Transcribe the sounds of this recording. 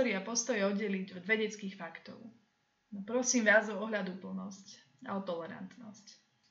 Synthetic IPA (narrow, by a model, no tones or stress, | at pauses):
ɔɾiapɔst̪ɔjɛɔɟɛliɟɔd̪ʋɛɟɛt͡skiːxfakt̪ɔ̰ʊ | nɔpɾɔsiːmʋaːzɔɔɦlad̪upl̩nɔsc | a̰ɔt̪ɔlɛɾa̰nt̪nɔsc